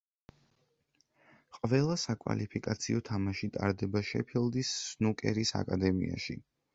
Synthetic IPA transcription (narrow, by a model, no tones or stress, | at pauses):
qʼvɛlˠasakʼva̰lipʰikʼat̪sʰiɔt̪ʰamaʃit̪ʼaɾd̪ɛbaʃɛ̰pʰilˠd̪isːnukʼɛɾisa̰kʼad̪ɛmḭa̰ʃi